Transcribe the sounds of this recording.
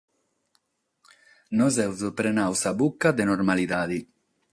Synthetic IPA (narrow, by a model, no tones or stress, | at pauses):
nɔzɛwzupɾenawsabukːad̪enɔɾmaliðaːði